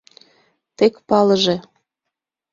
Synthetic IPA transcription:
t̪ekpɑləʒe

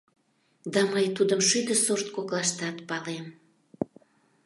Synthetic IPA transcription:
d̪ɑməjt̪ud̪əmʃyd̪əsort̪̚koklɑʃt̪ɑt̪pɑlem

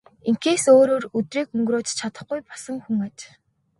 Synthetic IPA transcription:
eŋkeːsoːɾoːrɵt̪riːkɵŋɡɾoːt͡ɕt͡ɕʰat̪ə̆χɡujpɔ̥sə̆ŋxuŋat͡ɕ

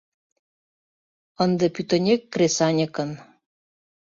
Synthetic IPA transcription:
ənd̪ɤ̆pyt̪ə̆nʲekːresɑnʲəkən

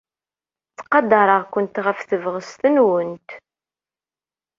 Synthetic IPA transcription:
t͡sːqɑd̪ɑɾˤəʁkʷʊnt̪ʁəfθəvʁəst̪ənwənt̪

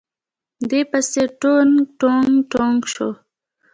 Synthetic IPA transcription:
d̪epaseʈonʈoŋɡʈoŋɡʃo

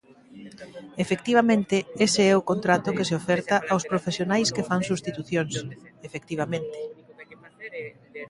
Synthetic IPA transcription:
efekt̪iβ̞amẽnt̪ɪeseɛʊkont̪ɾat̪ʊkeseofɛɾt̪aʔawspɾofesjonajskefaŋsust̪it̪uθjoŋsefek̚t̪iβ̞amẽnt̪ɪ̥

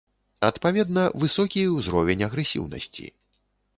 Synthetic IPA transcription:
ɐt̪pavʲɛd̪nɐvɨsɔkʲiwzɾɔvʲenʲɐɣɾɛsʲḭwnɐ̰sʲt͡sʲḭ

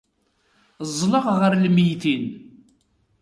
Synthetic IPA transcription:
zˤːləʁʁəɾlmijθin

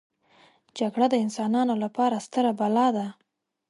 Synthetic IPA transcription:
d͡ʒaɡɽad̪əɪnsɑnɑnolapɑɾast̪əɾabalɑd̪a

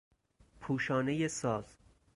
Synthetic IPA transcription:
pʰuːʃɒːne̞jesɒːz̥

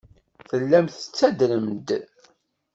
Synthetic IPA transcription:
θəlːæmθət͡sːæd̪ɾəmd̪

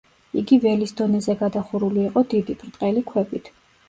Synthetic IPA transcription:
iɡivɛlisd̪ɔnɛzɛɡad̪aχuɾuliːqʼɔd̪id̪ipʰɾt̪ʼqʼɛlikʰwɛbit̪ʰ

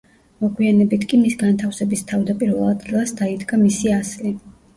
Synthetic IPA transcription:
mɔɡwianɛbit̪ʰkʼimisɡant̪ʰafsɛbist̪ʰavd̪apʼiɾvɛlˠad̪ɡɛlˠasd̪aid̪ɡamisiasli

